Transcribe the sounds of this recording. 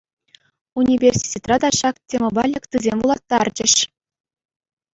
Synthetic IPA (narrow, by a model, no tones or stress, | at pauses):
unʲivʲerʲsʲi̥tʲet̪rɑd̪ɑɕɑktʲemʲŏbɑlʲɘ̆kʲt̪ɯzʲemʲʋulˠɑt̪ːɑrd͡ʑɘ̆ɕ